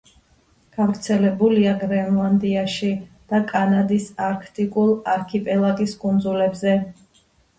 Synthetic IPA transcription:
ɡ̥avɾt̪sʰɛlɛbuliaɡɾɛnlˠand̪iaʃid̪̥akʼanad̪isaɾkʰt̪ʼikʼulˠaɾkʰipʼɛlˠaɡiskʼund̪zulɛbzɛ

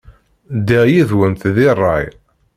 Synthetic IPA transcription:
d̪ijiðwənθðirˤːɑ̰j

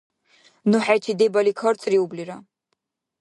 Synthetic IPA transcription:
nuħajt͡ʃʰid̪ebalikʰɔɾt͡sʼriubliɾa

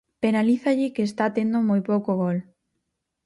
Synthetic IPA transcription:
penaliθaʎɪkeːst̪at̪end̪omojpowkoɣol

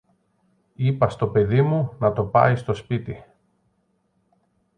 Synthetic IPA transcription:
ipɐst̪o̞pe̞ðimunɐt̪o̞pɐ̰jst̪o̞spit̪i

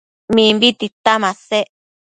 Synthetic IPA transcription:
mĩmbit̪it̪amãse

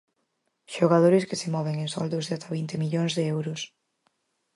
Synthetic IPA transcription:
ʃoɣaðoɾɪskɪsemɔβeŋẽŋsɔ̰ld̪ʊzðeat̪aβint̪emiʎoŋzðeɛwɾʊs

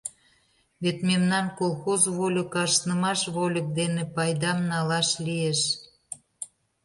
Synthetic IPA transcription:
βet̪memnɑnkolˠxozβolʲə̆kɑʃnəmɑʃβolʲə̆k̚d̪enepɑjd̪ɑmnɑlɑʃlieʃ

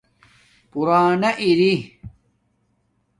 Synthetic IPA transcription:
puɾaːnɐʔiɾi

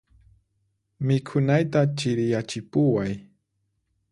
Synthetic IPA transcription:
mɪkʰʊnajt̪at͡ʃɪɾjat͡ʃɪpʊwaj

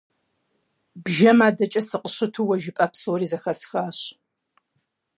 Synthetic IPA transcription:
bʒɐmaːdɐt͡ʃʼɐsɨqəɕɨtʰuːwɐʒɪpʼɐpswriːzɐxɐsxaːɕ

